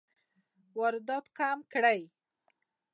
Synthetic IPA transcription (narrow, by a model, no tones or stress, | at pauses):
waɾd̪ɑt̪kamkɽaj